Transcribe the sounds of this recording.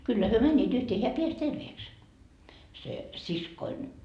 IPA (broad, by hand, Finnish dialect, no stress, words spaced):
kylːæ hyø mænʲːiːt yhteː heæ peæs terʋeːks se siskoin